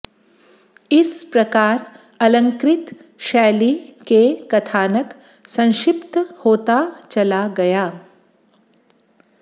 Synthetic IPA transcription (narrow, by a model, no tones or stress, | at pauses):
ɪspɾɐkaːɾ | ɐlə̃ŋkɾɪt̪ | ʃɛːlikekɐt̪ʰaːnək | sɐ̃w̃ʃɪpt̪hoːt̪at͡ʃɐlaɡɐjaː